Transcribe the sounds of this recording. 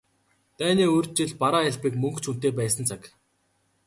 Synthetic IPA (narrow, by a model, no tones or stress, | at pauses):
t̪æːniːɵrʲt̪̚t͡ɕiɮpaɾaːaɮpĭːkmɵŋkt͡ɕʰun̥t̪eːpæːsə̆nt͡sʰak